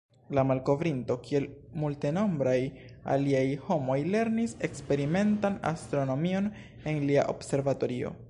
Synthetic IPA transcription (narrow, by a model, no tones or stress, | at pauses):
lamalko̞vɾinto̞kie̞lmulte̞no̞mbɾaj | a̰liajho̞mo̞jle̞ɾnise̞kspe̞ɾime̞ntana̰st̪ɾo̞no̞mio̞n | e̞nlia̰ʔo̞̰bse̞ɾvato̞ɾio̞̰